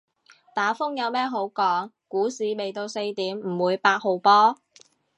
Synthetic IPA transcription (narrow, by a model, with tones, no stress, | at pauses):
t̪aː˨˥fʊ˥ŋjɐ˨˧wmɛː˥ɦo˨˥wkɔː˨˥ŋ | kuː˨˥siː˨˧me˨jt̪o˧wse˧jt̪iː˨˥mm̩˨˩wuː˨˧jpaː˧t̚ho˨wpɔː˥